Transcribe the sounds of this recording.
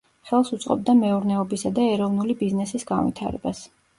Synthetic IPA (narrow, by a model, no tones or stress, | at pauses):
χɛlˠsut̪sʼqʼɔ̰b̚d̪amɛuɾnɛɔbisad̪aɛɾɔvnulibiznɛsisɡa̰nvḭt̪ʰa̰ɾɛ̰bas